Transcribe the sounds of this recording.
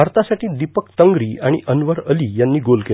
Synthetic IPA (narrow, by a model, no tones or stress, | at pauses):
aɾt̪asaʈiːd̪ipəkt̪əŋɡɾiːaɽ̃ḭʔənʋəɾəliːjanːiːɡolke